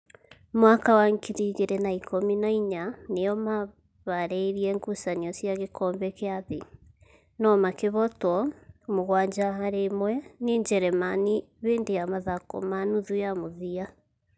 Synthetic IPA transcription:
mwakawaŋkʰiɾiɣeɾɛnaikʰominaiɲaneɔma | βaɾɛiɾiɛŋɡusaniɔsjaɣekʰɔːmbɛkeaði | nɔmakeβɔtwɔmoɣwaːɲd͡ʒaɦaɾemwɛniɲd͡ʒɛɾɛmaniβeːndejamaðako̰manuðujamuðia

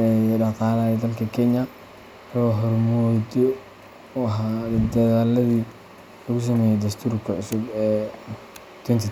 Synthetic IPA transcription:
ɛdɑt̪ɑːlaːjɛd̪ɐlkʰɐkʰɛɲɐ | hɔɦɔrmɔd̪ɔ | ɦad̪d̪ɐðaːlɐði | lɐɣʊs̬ɐmɛːjɛd̪ɐst̪ʰuːɾkʰɐʕʊsʊbɛː | t̪ʰwɛnt̪ʰi

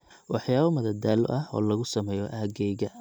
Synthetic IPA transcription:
wɑħjaːβɐmɐðɐd̪aːlʊ̰ʔɐɦɔ̰ːlɐɣʊsɐmɛːjɔʔaːɡɛjɣɐ

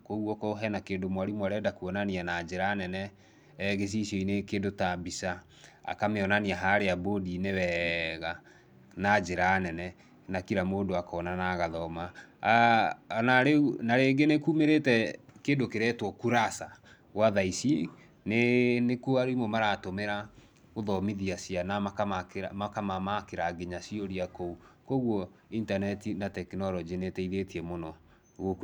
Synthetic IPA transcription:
koɣwɔkɔɦɛnakeːndomwaɾimwaɾɛdakuɔnanianad͡ʒeɾaːnɛnɛ | ɣes̬iʃɔinekeːndotabisa | a̰kameɔnaniaɦaɾeabodinewɛɣa | nad͡ʒeɾanɛnɛ | nakiɾamoːndoakɔnanaɣaðɔma | naɾeunaɾeɡenekumeɾetɛkeːndokeɾɛtwɔkuɾasa | waðaisi | nenekoaɾimomaɾatomeɾa | oðɔmiðiasianamkamamakamamakeɾaɡeɲasioɾiakoukoɣwɔintanɛtinatɛkinɔɾɔd͡ʒenetɛiɾetiɛmonɔ | ɣok

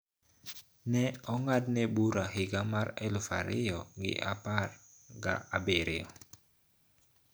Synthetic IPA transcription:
nɛɔŋad̚nɛbuɾaɦɪɡamaɾɛlufa̰ɾɪ̰ɔɡɪ̰ʔapar | ɡa̰ːbeɾɪɔ

